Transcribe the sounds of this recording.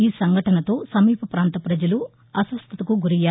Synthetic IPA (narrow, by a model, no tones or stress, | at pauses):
iːsɐŋɡʱɐʈɐnɐt̪o̞ːsɐmiːpʰɐpɾaːnt̪ɐpɾɐd͡ʒɐlu | ɐsʋɐst̪ʰɐt̪ɐkuɡuɾijaː